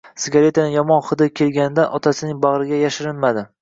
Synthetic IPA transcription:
sɪɡʲaɾe̞t̪ʰanɪjɒmɒnχɨd̪ɪkʲʰe̞lɡʲanɪd̪anʔɒt̪ʰasɪnɪŋbaʁɾɪɡʲajaʃɪɾɪnmad̪ɪ

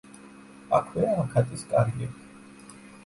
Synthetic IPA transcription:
akʰwɛaːkʰat̪ʼiskʼaɾɡɛ

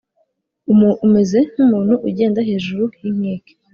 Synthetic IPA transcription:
umume̞ze̞n̥umuːn̥huʔuɟe̞ːndaɦe̞ːʒuɾuhimŋeːke̥

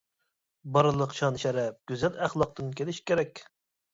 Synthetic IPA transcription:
bɑɾɨlˠəqʃɑnʃɛɾɛp̚ɡ̥ʲyzɛlæχlˠɑq̚t̪ɨnkʲʰelɪʃkʲeɾɛkʲ

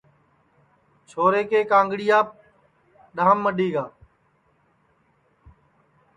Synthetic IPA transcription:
t͡ʃʰoːɾeːkeːkãːŋɡɽijaːp̚ | ɗaːmːəɗiːɡaː

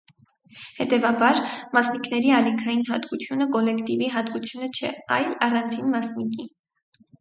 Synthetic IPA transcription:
hɛt̪ɛvɑbɑɾmɑsnikʰnɛɾiɑlikʰɑjinɦɑt̪kut͡sʰjunəkɔlɛkt̪iviɦɑt̪kut͡sʰjunət͡ʃʰɛɑjlɑrɑnt͡sʰinmɑsniki

